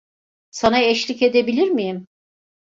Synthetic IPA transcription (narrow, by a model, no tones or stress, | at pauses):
sanaɛʃlʲice̞d̪e̞bilʲiɾmijim